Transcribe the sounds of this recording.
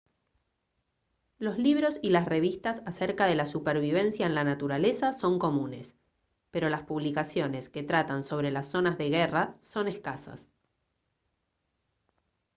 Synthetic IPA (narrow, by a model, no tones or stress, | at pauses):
lo̞zliβ̞ɾo̞silasre̞β̞ist̪asaseɾkað̞e̞lasupeɾβ̞iβ̞e̞nsjaenlanat̪uɾale̞saso̞ŋko̞mũne̞s | pe̞ɾo̞laspuβlikasjo̞ne̞ske̞t̪ɾat̪anso̞βɾe̞lasːo̞nazðe̞ɣeraso̞ne̞skasa̰s